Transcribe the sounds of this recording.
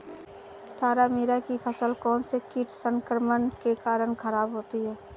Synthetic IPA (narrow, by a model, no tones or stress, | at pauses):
t̪ʰaːɾamiːɾakipʰɐsəlkɔːnsekiʈʰsə̃ŋkəɾmənkekaːɾəɽ̃kʰɐɾaːbɦoːt̪iɦɛː